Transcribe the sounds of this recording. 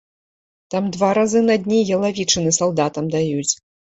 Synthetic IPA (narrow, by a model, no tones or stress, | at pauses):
t̪amd̪vaɾazɨnɐd̪ʲnʲijɐlˠavʲit͡ʂɨnɨsalˠd̪at̪ɐmd̪ajut͡sʲ